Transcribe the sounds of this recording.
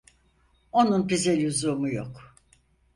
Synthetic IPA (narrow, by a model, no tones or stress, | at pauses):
o̞nunbizɛlʲuzuːmujok